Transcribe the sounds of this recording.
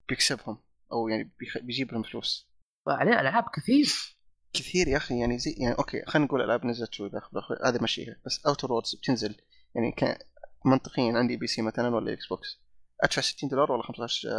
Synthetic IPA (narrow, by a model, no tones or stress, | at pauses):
b̥jɪksɪbhʊm | ʔawjaʕnibbjd͡ʒiːbhʊmflṵːs | wʕaleːʔa̰lʕaːbkɪθiːf | kɪθiːɾjaxijaʕnizajaʕniʔoːkʰḛːxanːɡuːlʔa̰lʕaːbnɪzɪlt̪ulʔaxblʔaxḭha̰ːðimaʃḭːʔab̥asːʔawt̪oɾˤwoːd̪z̥b̥̚t̪ʰɪnzɪl | jaʕnḭka̰mɑnt̪ˤɨ̥qɪjːanʕɪnd̪ibiːsiːmaθalanwalːa̰ʔɪ̰ksboːks | ʔa̰t̪fasɪ̥t̪ːiːnd̪oːlɑɾˤwalːaxamsˤt̪ɑʃ